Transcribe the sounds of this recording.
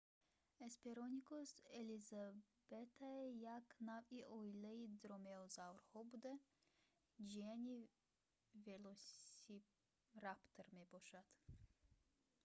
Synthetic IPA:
espeɾonikoseliza | b̥et̪ʰaejaknaviʔojlɛid̪ɾomeozawɾhɔbud̪ɛ | d͡ʒianʲi | velosi | ɾapt̪ʰɾmeboʃat̪

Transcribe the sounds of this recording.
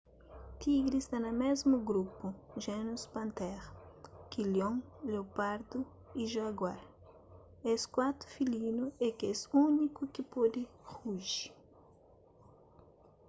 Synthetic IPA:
t̪iɡɾist̪anɐmezmuɡɾupuʒenuspɐ̃nt̪ɛɾkiljõŋlewpaɾd̪u | iʒwaɡwaɾ | eskwat̪ɾu̥filinuekɛsunikukɪpod̪ɪhuʒi̥

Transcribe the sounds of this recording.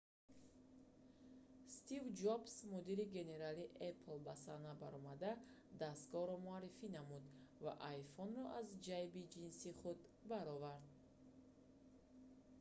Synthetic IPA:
st̪ivd͡ʒɔbsmɔd̪iɾiɡe̞ne̞ɾaliʔeplbasanabaɾɔmad̪a | d̪ast̪ɡɔhɾɔmuaɾːifinamud̪vaʔajfɔnɾɔʔazd͡ʒajbid͡ʒinsiχud̪baɾɔvaɾd̪̚

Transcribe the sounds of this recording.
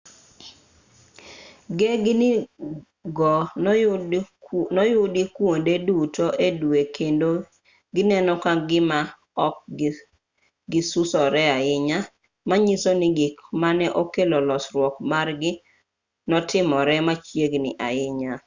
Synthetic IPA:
ɡɛɡ | ɡɔ | nɔjʊdikwondedutoʔedwekʰendo | ɡɪnɛnɔkaɡɪma | ɔk | ɡɪsusɔɾɛaɪɲa | maɲisonɪɡɪkmanɛʔokelolɔsɾwɔkmarɡɪ | nɔtʰɪmɔɾɛmat͡ʃjeɡnɪʔa̰ɪɲa

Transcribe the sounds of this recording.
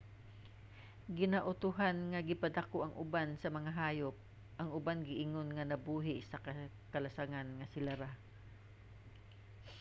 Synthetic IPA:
ɡɪnaʔʊt̪ʊɦanŋɐɡɪpɐd̪ɐkoʔɐŋʔʊ̰bansɐmɐŋaɦaːjop̚ | ʔɐŋʊbanɡɪʔɪŋonŋɐnɐbuːɦɪsɐkɐ | kɐlɐsaŋanŋɐsɪlaɾa

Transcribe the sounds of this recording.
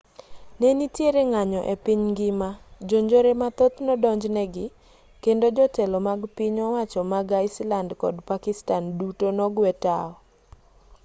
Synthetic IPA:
nenitjeɾeŋaɲɔʔepiɲɡɪmad͡ʒoɲd͡ʒoɾemat̪ot̪nɔdɔɲd͡ʒnɛɡɪ | kendod͡ʒɔtɛlɔmaɡpɪɲɔwat͡ʃɔmaɡaɪslandkɔ̰dpakɪstandutonɔɡwɛta̰ɔ

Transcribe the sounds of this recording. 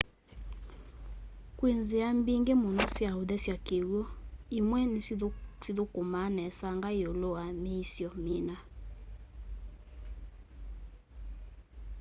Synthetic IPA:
kwenzeambiŋɡemonɔsjaoðɛsjakeɣoimwɛnisiðokomanɛsaŋɡajoloameisjɔmina

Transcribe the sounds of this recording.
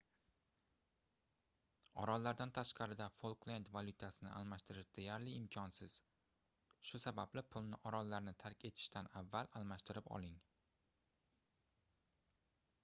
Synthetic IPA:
ɒ̰ɾɒllːaɾd̪ant̪ʰaʃqʰɑɾɪd̪afolˠklˠend̪valʲˠʊt̪ʰasɪnɪʔa̰lˠmaʃt̪ɪɾɪʃd̪e̞jaɾlɪɪmkʲʰɒnsɪz̥ | ʃʊsabablɪpʰʊlˠnɪʔɒɾɒlːaɾnɪt̪ʰaɾkʲʰe̞t̪ʰɪ̥ʃt̪ʰanavːalalˠmaʃt̪ɪɾɪpɒ̰lˠɪŋ

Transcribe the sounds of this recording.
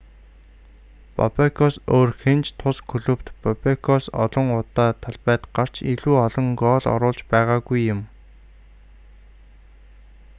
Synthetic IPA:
pɔ̰pekʰɔsoːrxent͡ɕt̪ʰʊskʰɵɮɵ̆pt̪pɔpekʰɔsɔ̰ɮɞ̆ŋʊt̪aːt̪ʰaɮpæːt̪ɢar̥t͡ɕʰiɮuːɔɮɞ̆ŋɡɔːɮɔ̰ɾʊːɮt͡ɕpæːʁaːɣujːʊ̆m

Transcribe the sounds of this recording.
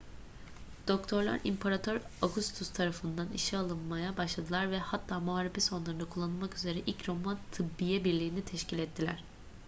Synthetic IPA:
d̪̥o̞kt̪ʰo̞ɾlˠa̰ɾḭmpʰaɾat̪ʰøɾoɡust̪ʰust̪ʰaɾafɯnd̪anḭʃialˠɯnmajabaʃlˠad̪ɯlˠaɾvɛhat̪ʰːaːmoaːɾipɛso̞nlˠaɾɯnakʰulˠːanɯlˠmakyze̞ɾɛʔilʲcɾo̞mant̪ʰɯbːijɛbiɾlʲiːnit̪ʰɛʃcilʲɛt̪ʰːilʲæ̰ɾ̝̥

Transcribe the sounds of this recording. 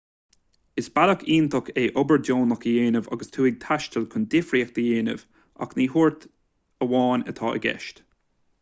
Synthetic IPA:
ɪsb̥aləkiːnt̪ʰɔkeːʔɔbəɹdoːnakəjeːnəva̰ɡəst̪ʰuːɪɡ̚t̪ʰaʃtʰəlkʰʊnd̪ɪfɾiək̚d̪̥əjeːnə̰v̥ | ʔa̰kniːɦuɹt̪ | əwɑːnə̰t̪ʰɑːə̰ɡɛ̰ʃt

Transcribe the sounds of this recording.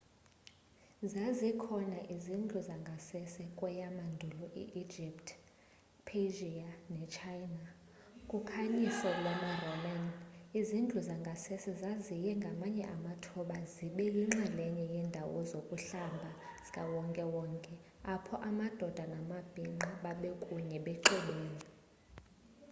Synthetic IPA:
zazikʰɔnaʔizind͡ɮʱuzaŋɡʱasɛsɛkʼwɛjamandʱulɔʔḭʔid͡ʒʱiptʼʰ | pʰeʒianɛt͡ʃʰajna | kʼukʰaɲisɔlwamarɔmanizind͡ɮʱuzaŋɡʱasɛsɛzazijɛŋɡʱamaɲɛ̰ʔamatʰɔɓaziɓɛjiŋ͡ǁɛlɛɲɛjɛndʱawɔzokʼuɬambʱaz̥i̥kʼawɔŋkʼɛwɔːŋkʼɛapʰɔʔamad̥ʱɔd̥ʱanamab̥ʱiŋ͡ǃiɓaɓɛkʼuɲɛɓɛǃɛɓeːni

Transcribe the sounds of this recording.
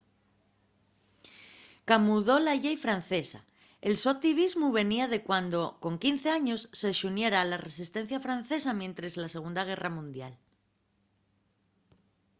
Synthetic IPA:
kamuðo̞laʝejfɾan̟θe̞sa̰ | e̞lsoat̪iβ̞izmuβe̞niað̞e̞kwand̪o̞ko̞ŋkin̟θe̞aɲo̞sːeʃunje̞ɾaːlare̞sist̪e̞n̟θjafɾanθe̞s̬amjẽ̞nt̪ɾezlase̞ɣ̞und̪aɣ̞e̞ramũnd̪ja̰l

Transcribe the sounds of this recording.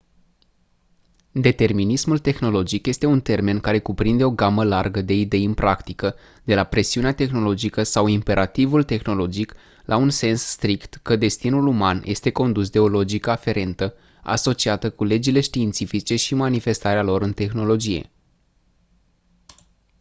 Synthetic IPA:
d̪e̞t̪e̞rminismult̪e̞xno̞lo̞d͡ʒikje̞st̪e̞unt̪e̞rme̞nkaɾe̞kupɾind̪e̞o̞ɡaməlarɡəd̪e̞id̪e̞jɨnpɾakt̪ikə | d̪e̞lapɾe̞siuneat̪e̞xno̞lo̞d͡ʒikəsawimpe̞ɾʔat̪ivult̪e̞xno̞lo̞d͡ʒik | lʔaunse̞nsːt̪ɾikt̪kəd̪e̞st̪inulumanjʔe̞̰st̪e̞ko̞nd̪usd̪eo̞lo̞d͡ʒikəafe̞ɾe̞nt̪ə | a̰so̞t͡ʃiat̪əkule̞d͡ʒile̞ʃt̪iːnt̪sifit͡ʃe̞ʃimanife̞st̪aɾealo̞ɾɨnt̪e̞xno̞lo̞d͡ʒije̞̰

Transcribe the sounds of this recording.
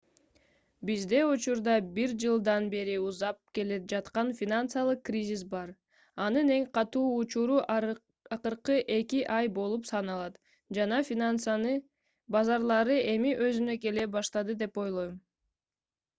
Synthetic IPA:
bizd̪e̞ut͡ʃuɾd̪ɑbiɾd͡ʒɯlˠd̪ɑnbe̞ɾiuzɑp̚ke̞led͡ʒɑt̪qɑnfʲinant̪sɨalˠɯqkrʲizʲis̬bɑɾ | ɑnɯne̞ŋqʰɑt̪uːt͡ʃuɾu | ɑqɯɾqɯʔe̞kiʔɑjbo̞lˠupsɑnɑlˠɑt̪ | d͡ʒɑnɑfʲinansn | bɑzɑɾlˠɑɾɯe̞miʔø̞zynø̞ke̞le̞bɑʃt̪ɑd̪ɯd̪e̞po̞jlˠo̞jm

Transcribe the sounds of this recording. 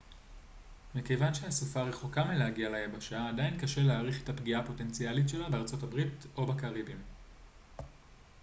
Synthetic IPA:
mikejvanʃehasufaʁe̞χo̞kamelehaɡialajebaʃaːdainkaʃe̞leaʁiχetapɡiapo̞te̞nt͡sialitʃe̞labeaʁt͡so̞tabʁito̞bakaʁibim

